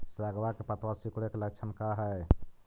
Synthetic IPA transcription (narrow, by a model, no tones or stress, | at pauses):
sɾaɡʋakepət̪wasikɽekeləkt͡ʃʰənkaɦɛ